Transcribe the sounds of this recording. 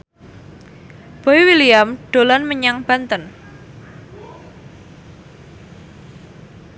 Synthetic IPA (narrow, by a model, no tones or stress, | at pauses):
b̥oiwiliamɖ̥o̤lanməɲaŋb̥a̤nt̪ən